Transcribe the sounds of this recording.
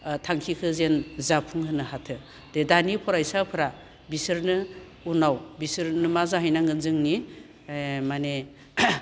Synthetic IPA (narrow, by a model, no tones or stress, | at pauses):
tʰaŋkʰikʰɯzenzapʰuŋhɯnɯhatʰɯ | dedanipʰɔɾajsapʰɯɾa | bisɯɾnɯ | unawbisɯɾnɯmazaɦajnaŋɡɯnzɯŋni | mane